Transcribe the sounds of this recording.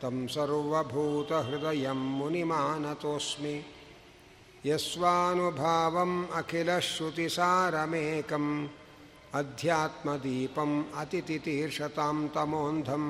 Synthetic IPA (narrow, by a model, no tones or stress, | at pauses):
t̪ɐmsɐɾʋɐbʱuːt̪ɐɦɾud̪ɐjɐmːunimaːnɐt̪oːsmi | jɐsʋaːnubʱaːʋɐmɐkʰilɐʃut̪isaːɾɐmeːkɐm | ɐd̪ʱjaːt̪mɐd̪iːpɐmɐt̪it̪it̪iːɾʂɐt̪aːmt̪ɐmoːnd̪ʱɐm